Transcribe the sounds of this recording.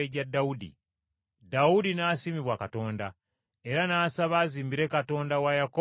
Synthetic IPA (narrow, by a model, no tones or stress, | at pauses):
eɟadːaudḭ | daudinaːsimiβwakato̞ːnda | e̞ɾanaːsaβaːziːmbiɾe̞kato̞ːndawajako